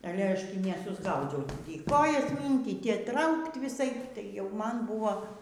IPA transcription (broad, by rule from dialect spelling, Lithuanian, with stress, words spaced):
ɐˈlʲɛ ˈɐʃ ˈtʲiː nʲɛˈsʊzɡɐʊd͡zʲɛʊ ˈtʲiː ˈkoːjɛs ˈmʲiːŋʲkʲiːt ˈtʲiː ˈtrɐʊkt ʋʲɪˈsɐɪp tɐɪ jɛʊ ˈmɐn bʊʋoː